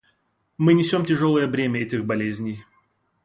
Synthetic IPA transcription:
mɨnʲɪsʲo̞mtʲɪʐo̞lˠəjəvɾʲemʲəɛtʲɪxbɐlʲezʲnʲɪj

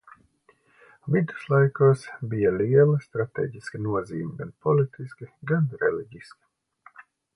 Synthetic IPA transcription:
vid̪u̥slˠajkoːsbijalʲiɛlˠɐst̪ɾat̪ḛːɟiskinuɔziːmʲɪɡanpɔlʲit̪ʰiskʲiɡanɾɛlʲiɟiskʲi̥

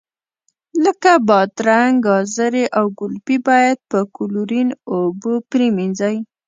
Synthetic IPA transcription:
ləkabɑt̪ɾaŋɡɑzəɾeʔawɡʊlpibɑjad̪̚pəkʊluɾinobopɾiminzaj

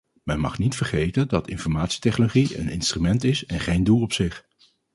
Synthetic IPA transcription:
mɛnmɑ̰χnitfəɹχejtəndɑtɪnfɔɹmaːtsi̥tɛχnoloχiə̰nɪ̰nstrymɛntɪsɛnχejndulˠɔpsɪχ

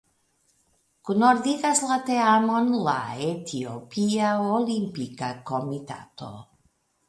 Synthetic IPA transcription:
kunoɾdiɡaslat̪eamonla̰et̪ʰiopiaolimpikakomit̪a̰t̪o̰

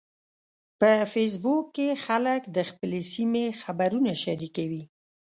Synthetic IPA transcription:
pəfes̬bukːexaləkd̪əxpəlesimexabaɾunaʃaɾikawi

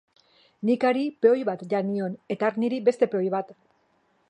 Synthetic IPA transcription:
nikaɾipeo̞jβat̪ʝanio̞ne̞t̪aːɾniɾibe̞st̪e̞peo̞jβat̪

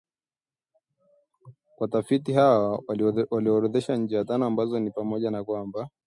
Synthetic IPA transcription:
kwatafitiɦawawaliɔɾɔðɛʃaɲ̩d͡ʒɛjatanɔambazɔnipamɔʄanakwamba

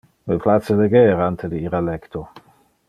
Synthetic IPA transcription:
lepʰlat̪t͡seleɡɛːɾant̪ʰed̪iiɾalɛkt̪ʰo

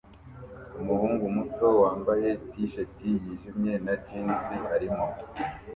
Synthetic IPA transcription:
umuhuːŋɡumuto̞waːmbaje̞tiʃetijiʒimɲe̞naɾɟiːnsihaɾimo

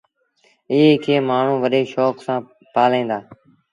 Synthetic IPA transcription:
ɪɦeːkʰeːmaːɳ̤ũːʋəɗeːʃɔːksãː | paːlẽːnd̪aː

